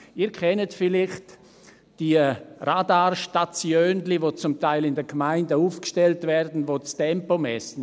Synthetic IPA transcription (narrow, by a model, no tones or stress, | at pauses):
iːɾkʰɛnətfɪlɪχt | d̥iradaːɾʃtat͡sjøːndlivot͡sʊmtaɪlɪndɛɡmaɪndəuːfkʃtɛltvɛɾdn̩voːstɛmpomɛsn̩